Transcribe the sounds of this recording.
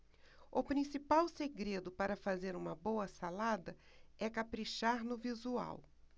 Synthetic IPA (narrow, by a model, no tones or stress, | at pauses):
ʊpɾĩsipawseɡɾed̪ʊpaɾɐfazeɾũmɐbowɐsalad̪ɐ | ɛkapɾiʃaɾnʊvizua̰w